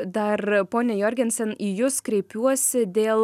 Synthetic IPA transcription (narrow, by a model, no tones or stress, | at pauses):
d̪ɐrpoːnʲɛjoːɾʲɡʲɛnʲsʲɛnijʊskɾʲɛɪpʲuɔsʲɪd̪ʲeːlˠ